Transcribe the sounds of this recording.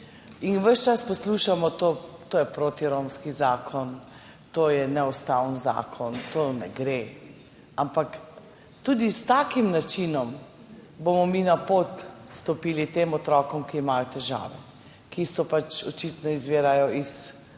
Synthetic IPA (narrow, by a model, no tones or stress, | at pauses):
inʋəʃt͡ʃaspɔsluʃamɔt̪oːt̪oːjɛpɾoːt̪iɾomskizaːkʰɔn | t̪oːjɛnɛust̪awənza̰ːkʰɔnt̪onɛɡɾe | ampak | t̪uːd̪ist̪aːkimnat͡ʃiːnɔm | bomɔminapoːt̪st̪ɔpiːlit̪eːmɔt̪ɾɔkɔmkiːmajɔt̪ɛʒa̰ːʋɛ̰ | kisɔpat͡ʃɔt͡ʃit̪nɔizʋeːɾajɔʔis